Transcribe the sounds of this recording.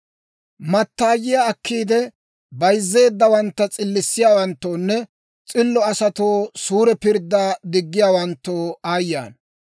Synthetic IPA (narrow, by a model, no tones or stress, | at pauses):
mɐt̪ːaːjɪjaːkːiːd̪ɛ | bɐjzːe̞ːd̪ːɐwɐnt̪ːɐt͡sʼɪlːɪsːɪjaːwɐnt̪ːoːnːɛ | t͡sʼɪlːɔɐsɐt̪oːsuːɾɛpɪɾd̪ːaːd̪ɪɡːɪjaːwɐnt̪ːoːaːjːa̰ːn